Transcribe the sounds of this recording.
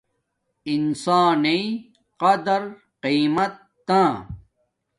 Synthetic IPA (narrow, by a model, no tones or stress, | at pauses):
insaːne | qɐd̪ɐɾ | qiːmɐt̪ːãː